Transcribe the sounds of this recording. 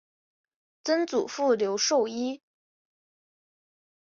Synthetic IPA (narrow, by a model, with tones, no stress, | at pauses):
t͡sə˥nt͡sṵ˨˩fu˥˩ljo˧˥ʊʂo˥˩ʊi˥